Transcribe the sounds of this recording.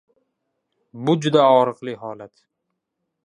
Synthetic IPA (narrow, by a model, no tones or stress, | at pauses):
bʊd͡ʒʊd̪aɒɾɨqlˠɪɦɒlat̪